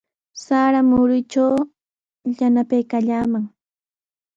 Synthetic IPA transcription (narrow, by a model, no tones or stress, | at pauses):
saɾamʊɾʊjt͡ʃaw | ʎanapajkaʎaːmaŋ